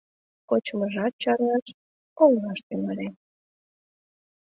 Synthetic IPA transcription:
kot͡ɕməʒɑt̪̚t͡ɕɑrɑʃ | ollɑʃt̪ymɑlʲe

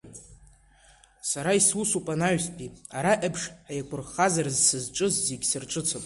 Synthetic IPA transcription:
saɾaiswusupʼanaɥspʼiaɾaʔabʂħajakʷʰʊrχazarɨzsɨzʈ͡ʂʼɨzzeɡʲsɨrʈ͡ʂʼɨt͡sʰɨpʼ

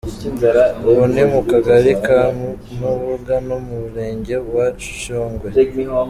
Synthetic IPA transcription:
βonimukaɡaɾikaːnu | nuβuɡano̞muβuɾe̞ːɲɟe̞βwaʃu̥ʃoːŋɡwe

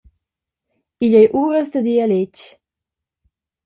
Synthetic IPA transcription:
iʎɛjʔuːɾəsd̪əd̪ialet͡ʃ

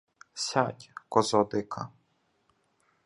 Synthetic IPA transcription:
sʲatʲkɔzɔd̪ɪkʰɐ̰

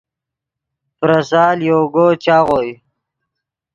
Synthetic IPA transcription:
pɾɐsaːljoːɡoːt͡ɕaːɣoj

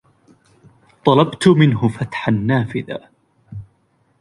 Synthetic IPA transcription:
t̪ˤɑlɑbt̪ʊmɪnɦʊfat̪ħanːaːfɪða̰

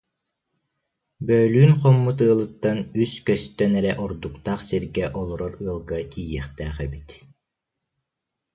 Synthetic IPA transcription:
bœːlyːnqɔmːut̪ɯːlˠɯt̪ːanyskœst̪œnɛɾɛʔɔɾd̪ukt̪aχsiɾɡɛʔɔlˠɔɾɔɾɯːlˠɡakiːjɛχt̪æːχɛbit̪

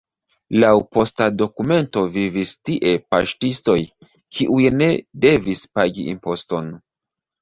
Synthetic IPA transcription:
lawpo̞stado̞kume̞nto̞vivistiʔe̞pa̰ʃtisto̞j | kʰiʔujne̞de̞vispaɡiḭmpo̞sto̞n

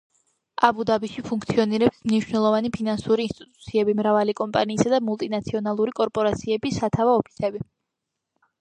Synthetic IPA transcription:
abud̪abiʃipʰuŋkʰt̪sʰiɔniɾɛpsmniʃwnɛlˠɔvanipʰinansuɾiːnst̪ʼit̪ʼu̥t̪sʰiɛbimɾavalikʼɔmpʼaniːsad̪amulˠt̪ʼinat̪sʰiɔnalˠuɾikʼɔɾpʼɔɾat̪sʰiɛbisat̪ʰavaɔpʰi̥sɛbi

